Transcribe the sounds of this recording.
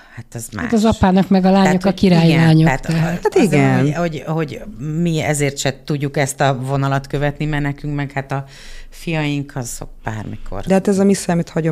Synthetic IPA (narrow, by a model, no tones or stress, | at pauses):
hat̪ɛzma̰a̰t̪ɒzɒpaːnɒkmɛɡɒlaːɲo̞kɒkiɾaːjilaːɲot̪ɛɦaaiɛnho̞ɟhoɟmiɛ̰zeːrt̪ʃɛt̪uɟːukɛst̪ɒvo̞nɒlɒt̪køvɛt̪nimɛrnɛkyŋkmɛkhat̪ɒ | fijɒjiŋkʰɒzo̰k̚b̥aːrmikʰo̞̰rd̪ɛhat̪ɛzɒmisaːmit̪hɒɟo